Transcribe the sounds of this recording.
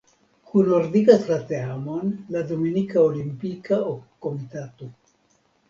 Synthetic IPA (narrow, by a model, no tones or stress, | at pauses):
kunoɾd̪ikaslat̪eamonlad̪ominikaolimpikaokːomit̪at̪u